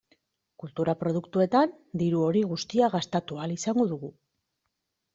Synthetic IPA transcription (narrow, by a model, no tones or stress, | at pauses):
kult̪uɾapɾo̞ð̞ukt̪ue̞t̪an | d̪iɾuo̞ɾiɣust̪iaɣast̪at̪ualisaŋɡo̞ðuɣu